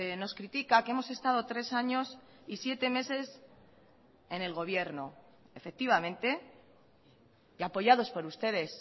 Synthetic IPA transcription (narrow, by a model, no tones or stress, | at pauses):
no̞skɾit̪ikakeemo̞se̞st̪að̞o̞t̪ɾe̞saɲo̞s | isje̞t̪e̞me̞se̞s | e̞ne̞lɣo̞β̞je̞ɾno | efe̞k̚t̪iβ̞amẽ̞nt̪e̞ | iapo̞ʝaðo̞spo̞ɾust̪e̞ð̞e̞s